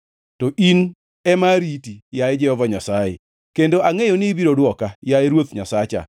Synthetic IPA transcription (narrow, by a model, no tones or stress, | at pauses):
tɔʔin | ɛmaɾitijajed͡ʒɛhɔvaɲasajḛ | kendoʔaŋejonɪbiɾodwɔkajaeɾwot̪ɲasat͡ʃa̰